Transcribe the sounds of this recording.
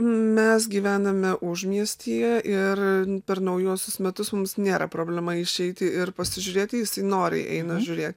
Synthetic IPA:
mʲɛsɡʲiːʋʲæːnɐmʲɛʔʊʒmʲiɛsʲt̪ʲiːjɛʔɪrpʲɛɾnɐʊjuːsʲʊsmʲɛt̪ʊsmʊmsnʲeːɾɐpɾoːbʲlʲɛmɐɪʃʲɛɪt̪ʲɪɪrpɐsʲɪʒʲʊɾʲeːt̪ʲɪjɪsɐɪnoːɾʲɪ̰ʔɛ̰ɪnɐʒʲʊɾʲeːt̪ʲ

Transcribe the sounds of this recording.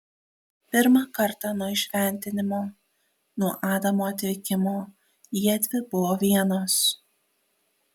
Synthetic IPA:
pʲɪɾmɑkɐɾˑt̪ɑnuɔɪʃʲʋʲɛˑnʲt̪ʲɪnʲɪmoː | nuɔʔɑːd̪ɐmoːɐt̪ʲʋʲɪkʲɪmoː | jiɛd̪ʲʋʲɪbʊʋoːʋʲiɛnoːs

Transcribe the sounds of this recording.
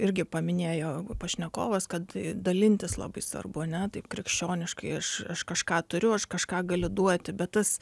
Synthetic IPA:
ɪɾʲɡʲɪpɐmʲɪnʲeːjoːpɐʃʲnʲɛko̰ːʋɐskɐt̪d̪ɐlʲɪnʲt̪ʲɪslˠɐ̰bɐɪsʋɐ̰rbʊɐnʲɛt̪ɐɪpkɾʲɪkʃʲt͡ʃʲoːnʲɪʃkɐɪɐʃɐʃkɐʃkɑːt̪ʊɾʲʊɐʃkɐʃkɑːɡɐlʲʊd̪uɔt̪ʲɪbʲɛt̪t̪ɐs

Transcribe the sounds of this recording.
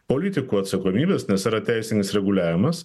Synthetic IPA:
poːlʲɪt̪ʲɪkuːɐt̪sɐkoːmʲiːbʲeːsnʲɛsiɾɐt̪ʲæɪsʲɪnʲɪsɾʲɛɡʊlʲæːʋʲɪmɐs

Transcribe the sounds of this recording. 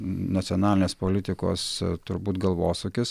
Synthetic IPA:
nɐt̪sʲonɑːlʲɪnʲeːspoːlʲɪt̪ʲɪko̰ːst̪ʊɾbuːt̪ɡɐlˠʋoːsukʲɪs

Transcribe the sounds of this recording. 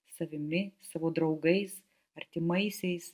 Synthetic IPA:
sɐʋʲɪmʲɪsɑːʋoːd̪ɾɐʊɡɐɪs | ɐɾʲt̪ʲɪmɐɪsʲɛɪs

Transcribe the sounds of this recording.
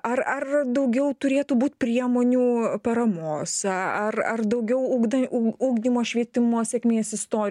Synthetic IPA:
ɐrɐrd̪ɐʊɡʲɛʊt̪ʊɾʲeːt̪uːbuːt̪̚ʲpʲɾʲiɛmoːnʲuːpɐɾɐmoːsɐrɐrd̪ɐʊɡʲɛʊuːɡuːɡd̪ʲimoːʃʲʋʲiɛt̪ʲɪmoːsʲɛkʲmʲiːeːsɪst̪oːɾʲ

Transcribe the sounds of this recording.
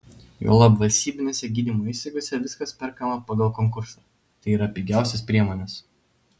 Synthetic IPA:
jo̰ːlˠɐbʋɐlʲsʲt̪ʲiːbʲɪnʲeːsʲɛɡʲiːd̪ʲiːmoːɪʃʲsʲɛkɡʲoːsʲɛʋʲɪskɐspʲɛɾkɐmɐpɐɡɐlˠkoŋkʊɾsɐ | t̪ɐɪiːɾɐpʲɪɡʲæˑʊsʲɛspʲɾʲiɛmoːnʲɛs

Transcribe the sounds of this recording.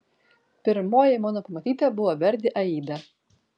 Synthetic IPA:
pʲɪɾmoːjɛmonopɐmɐt̪ʲiːt̪ɐbʊʋoʋʲɛɾʲd̪ʲɪʔɐiːd̪ɐ

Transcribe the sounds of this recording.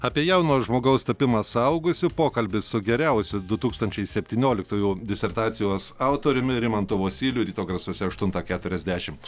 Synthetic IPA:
ɑːpʲiɛjɛʊnoːsʒmoːɡɐʊst̪ɐpʲɪmɐsʊɐʊɡʊsʲɪpoːkɐlʲbʲɪsʊɡʲɛɾʲɛʊsʲɪd̪ʊt̪uːkst̪ɐnʲt͡ʃʲɛɪsʲɛpʲt̪ʲiːnʲoːlʲɪkt̪uːjud̪ʲɪsʲɛrt̪ɑːt̪sʲɪjoːsɐʊt̪oːɾʲʊmʲɪɾʲɪmɐnt̪ʊʋoːsʲiːlʲʊɾʲiːt̪oːɡɾɐsuɔsʲɛɐʃt̪ʊnt̪ɑkʲæːt̪ʊɾʲɛzʲd̪ʲæːʃʲɪm

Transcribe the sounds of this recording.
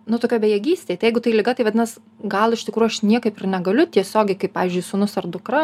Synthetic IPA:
nʊt̪oːkʲoːbʲɛjɛɡʲiːsʲt̪ʲeːt̪ɐɪjɛɪɡʊt̪ɐɪlʲɪɡɐt̪ɐɪʋɐdʲɪnɐs | ɡɐlˠɪʃt̪ʲɪkɾujʊɐʃnʲiɛkɐɪpɪrnʲɛɡɐlʲʊt̪ʲiɛsʲoːɡʲɛɪkɐɪpɑːʋʲːzʲd͡ʒʊɪsuːnʊsɐrd̪ʊkɾɐ

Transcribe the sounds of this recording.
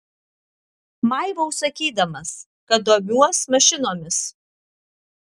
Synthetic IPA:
mɑɪʋɐʊsɐkʲiːd̪ɐmɐs | kɐt̪̚d̪oːmʲuɔsmɐʃʲɪnoːmʲɪs

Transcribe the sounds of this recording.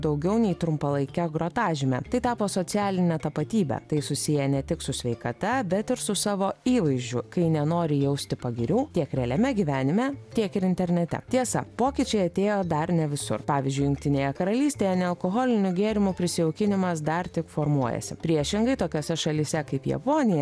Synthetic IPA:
d̪ɐʊɡʲɛʊnʲɛɪt̪ɾʊmpɐlˠɐɪkʲɛɡɾoːt̪ɑːʒʲɪmʲɛ̰t̪ɐɪt̪ɑːpoːsoːt̪sʲɪæːlʲɪnʲɛt̪ɐpɐt̪ʲiːbʲɛ̰t̪ɐɪsʊsʲɪjɛnʲɛt̪ʲɪksʊsʲʋʲɛɪkɐt̪ɐbʲɛt̪ɪɾsʊsɑːʋoːiːʋɐɪzʲd͡ʒʲʊkɐɪnʲɛnoːɾʲɪjɛʊsʲt̪ʲɪpɐɡʲɪɾʲuːt̪ʲiɛkɾʲɛlʲɛmʲɛɡʲiːʋʲæːnʲɪmʲɛt̪ʲiɛkɪɾɪnt̪ʲɛɾʲnʲɛt̪ʲɛ̰t̪ʲiɛsɐ̰poːkʲɪt͡ʃʲɛɪɐt̪ʲeːjoːd̪ɐɾnʲɛʋʲɪsʊ̰rpɑːʋʲɪzʲd͡ʒʲʊɪjʊŋkt̪ʲɪnʲeːjɛkɐɾɐlʲiːsʲt̪ʲeːjɛnʲɛɐlˠkoɣoːlʲɪnʲʊɡʲeːɾʲɪmʊpʲɾʲɪsʲɪɛʊkʲɪnʲɪmɐsd̪ɐɾt̪ʲɪkfoːɾmuɔjɛ̰sʲɪ̰pʲɾʲiɛʃʲɪŋɡɐɪt̪oːkʲoːsʲɛʃɐlʲisʲɛkɐɪpjɛ̰poːnʲɪjɛ

